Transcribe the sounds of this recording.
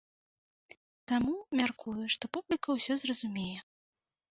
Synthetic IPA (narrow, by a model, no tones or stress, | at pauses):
t̪amumʲarkʰujuʂt̪ɔpublʲikɐwsʲɔzrɐzumʲejɛ